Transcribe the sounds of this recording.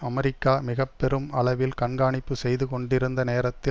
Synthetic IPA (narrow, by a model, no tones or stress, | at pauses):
ɐmɐɾɪkːaːmɪɣɐpːɛɾɯmɐɭɐʋɪlkɐɳɡaːɳɪpːɯsɛjðɯkɔɳɖɪɾɯnd̪ɐneːɾɐt̪ːɪ